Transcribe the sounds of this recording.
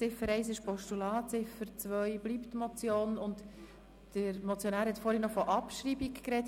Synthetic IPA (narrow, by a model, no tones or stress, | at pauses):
t͡sɪfəɾɛɪs̬ɪʃpɔʃtulɑːt͡sɪfəɾt͡sʋœʏb̥liptmɔt͡sjoːnʊnt | d̥əɾmɔt͡sjonæːɾhɛt̪fɔːɾhənɔfɔʔɑpʃɾibikkɾɛt